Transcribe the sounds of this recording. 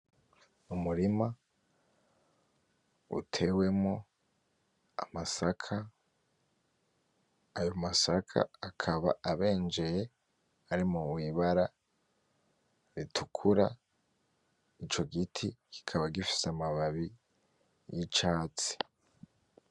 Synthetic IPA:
umuɾima | ṵtʰe̞we̞mŋo | a̰masakʰa | jo̞masakʰa̰akʰaβa̰ʔaβe̞ːnd͡ʒe̞je | aɾimuwiβaɾa | ɾitʰukʰuɾa̰ | it͡ʃo̞ɡitʰiɡ̥i̥kʰaβaɡifi̥seamaβaβi | jit͡ʃaːt͡si̥

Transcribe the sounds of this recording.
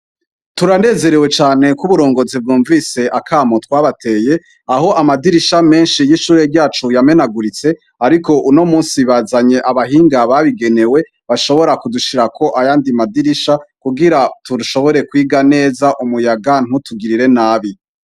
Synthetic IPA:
tuɾane̞ːze̞ɾewe̞t͡ʃaːne̞kuβuɾo̞ːŋɡo̞zib̚ɡuːɱvise̞ʔakʰaːmotwaːβatʰe̞ːje̞ | aɦo̞ʔamadiɾiʃame̞ːnʃijiʃuːɾeɾɟaːt͡ʃujame̞naɡuɾit͡se̞ | aɾiko̞ʔuno̞muːnsiβazaɲe̞ʔaβaɦiːŋɡaβaβiɡe̞ne̞we̞ | βaʃo̞βo̞ɾakuduʃiɾakʰo̞ʔajaːndimadiɾiʃakuɡiɾatuduʃo̞βo̞ɾe̞kwiːɡane̞ːzaʔumujaɡan̥utuɡiɾiɾe̞naːβi

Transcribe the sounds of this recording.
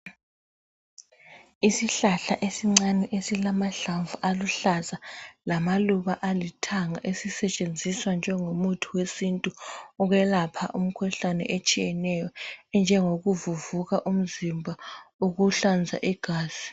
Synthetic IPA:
isiɬaɬaʔesiŋ͡ǀanɛʔesilamaɬaɱvuʔaluɬazalamaluβaʔalitʰaŋaʔesisɛt͡ʃʼend͡zʱiswand͡ʒʱɛŋomutʰuwesintʼuɔɣwɛlapʰa̰ʔum̩kʰuɬanɛ̰ʔet͡ʃʼijɛnɛjɔɛnd͡ʒʱɛŋoɣuvuvuɣaʔum̩zimbʱaoɣuɬand͡zʱa̰ʔiɡ̥ʱaːz̥i̥

